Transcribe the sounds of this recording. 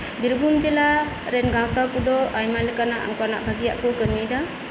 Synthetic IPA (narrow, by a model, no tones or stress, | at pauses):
biɾbund͡ʒɛla | ɾɛnɡãwt̪akud̪ɔajmalɛkanaʔkana̰ʔbʱaɡija̰ʔkɔkəmid̪ɔ